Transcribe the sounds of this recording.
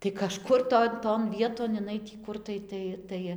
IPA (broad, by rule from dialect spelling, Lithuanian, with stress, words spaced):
tɐɪ kɐˈʃkʊr ˈtoːn toːn ˈʋʲiɛtoːn ɪˈnɐɪ tʲiː ˈkʊr tɐɪ ˈtɐɪ ˈtɐɪ